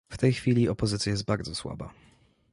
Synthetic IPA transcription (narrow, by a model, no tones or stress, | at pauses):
ft̪ɛjxfʲilʲiɔpɔzɘt̪sʲjajɛst̪baɾd̪zɔswa̰ba̰